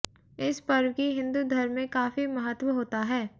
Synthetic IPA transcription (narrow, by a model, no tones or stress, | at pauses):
ɪspɐɾwkiɦɪ̃nd̪ud̪ʱɐɾmẽkaːfimɐɦət̪wəɦoːt̪aɦɛː